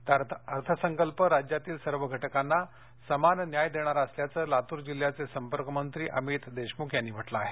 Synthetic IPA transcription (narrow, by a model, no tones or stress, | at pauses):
t̪aɾəɾt̪ʰəsəŋkəlpəɾad͡ʑjat̪iːlsəɾʋəɡʱəʈəkanːa | səmannjajd̪eɽ̃aɾəsljat͡səːlat̪uːɾd͡ʑil̤ːjat͡sesəmpəɾkəmənt̪ɾiːʔə̰miːt̪d̪eɕmukʰjanːiːbʱəʈlaːɦe